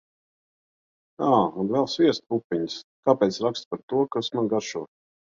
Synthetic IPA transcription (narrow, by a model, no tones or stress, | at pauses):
aːunvɛlˠsviɛst̪̚pupʲːiɲskaːpɛːt̪sɾakst̪̚paɾt̪uɔkasmaɡaɾʃuː